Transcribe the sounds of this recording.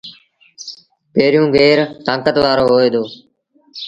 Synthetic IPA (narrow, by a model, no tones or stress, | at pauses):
peːɾjũːɡeːɾt̪ãːkət̪ʋaːɾoːɦoːeːd̪oː